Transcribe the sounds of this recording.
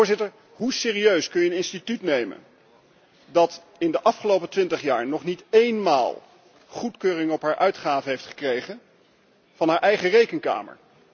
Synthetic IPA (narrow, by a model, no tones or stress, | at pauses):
ɹzɪtəɹ | ɦusɪːriøɥskɵnjənɪnstitytnejmə̰n | dɑt | ɪndəʔɑfχəlowpətʋɪntəχja̰ːɹnɔχnitejnma̰ːlˠ | χutkøːrɪŋəɔpɦaːɹʔœɥtχaːvəɦejftχə̥krejχən | v̥ɑnɦaːɹʔɛjχərejkəŋka̰ːmə̰ɹ